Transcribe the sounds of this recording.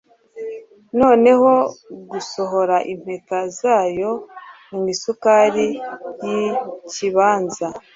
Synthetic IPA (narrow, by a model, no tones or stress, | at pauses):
no̞ːne̞ho̞ɡuso̞ɦo̞ɾaʔim̥he̞tazaːjo̞mŋwiːsukaːɾijiciβaːnza